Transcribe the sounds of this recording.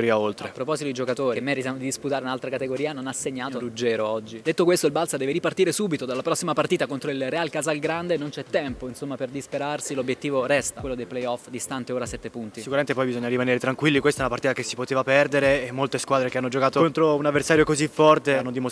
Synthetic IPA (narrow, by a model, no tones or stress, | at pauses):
ɾiaolt̪ɾepɾopɔzit̪od̪id͡ʒokat̪oːɾiemːɛɾit̪jamod̪id̪isput̪aːɾeunalt̪ɾakat̪eɡoɾiːanonasːeɲːaːt̪oɾud͡ʒːɛːɾoɔd͡ʒːid̪et̪ːokwest̪oilbalsad̪ɛːveɾipart̪iːɾesuːbit̪od̪alːapɾɔsːimapart̪iːt̪akont̪ɾoilrealkazalɡɾand̪enont͡ʃɛt̪ːɛmpoinsomːaperd̪ispeɾarsilobjet̪ːiːvoɾɛst̪akwelːod̪elplejɔfd̪ist̪ant̪eoːɾasɛt̪ːepunt̪isikuɾament̪epɔjbizoɲːaɾimaneːɾet̪ɾaŋkwilːikwest̪ɛnapart̪it̪akesːi̥pot̪eːvapɛrd̪eɾeːmːolt̪eskwaːd̪ɾekeanːod͡ʒokaːt̪oont̪ɾounavːersaːɾjokozifːɔrt̪eanːod̪imo